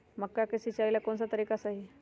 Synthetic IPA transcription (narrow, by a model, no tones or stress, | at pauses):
məkːakəsit͡ʃailakonsat̪əɾikasaɦi